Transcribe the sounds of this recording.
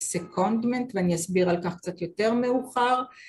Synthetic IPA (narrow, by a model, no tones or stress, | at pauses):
sekʰond̪mentveanijasbiʁalkaχkt͡sat̪jo̞te̞ʁmeuχaʁ